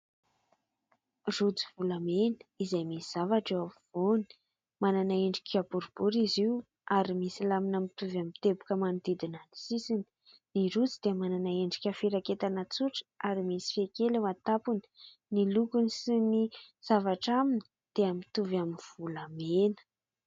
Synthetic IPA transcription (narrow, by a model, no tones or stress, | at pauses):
rud͡zivulamenə̥izajmisiz̥avaʈ͡ʂewavoni̥ | mananaeɳɖ͡ʐi̥kabuɾub̥uɾiziw | aɾimisilaminamit̪uvamit̪ebu̥kəmanud̪id̪inanisisini̥ | niɾut͡sid̪̥emananaeɳɖ͡ʐikʲafiɾaket̪anət͡suʈ͡ʂə̥ʔaɾimisi̥fekelewat̪apuni̥ | nilukunisiniz̥avaʈ͡ʂamini̥ | d̪̥eamit̪uvaminv̥ulamenə̥